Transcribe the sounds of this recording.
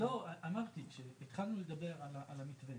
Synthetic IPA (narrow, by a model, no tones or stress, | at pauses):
lo̞aʔamaʁt̪iʃeet̪χalnule̞d̪abe̞ʁalaʔalamit̪ve